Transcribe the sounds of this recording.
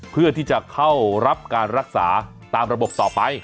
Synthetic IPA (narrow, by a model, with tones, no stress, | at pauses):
pʰɯ˥˩ɐt̪ʰiː˥˩t͡ɕa˨˩kʰa˥˩wɾa˦˥p̚kaː˧nɾa˦˥k̚sa̰ː˩˦ | t̪aː˧mɾa˧bo˨˩p̚t̪ɔː˨˩pa˧j